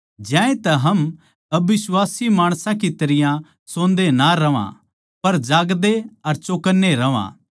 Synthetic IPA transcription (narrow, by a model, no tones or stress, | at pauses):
d͡ʒjãːẽt̪ɐɦɐm | ɐbɪswaːsimaːɽ̃sãk̬it̪ɐɾɪjã | sõːnd̪enaɾɐʋã̰ | pɐɾd͡ʒaːɡd̪eɐɾt͡ʃoːkənːeɾɐʋã̰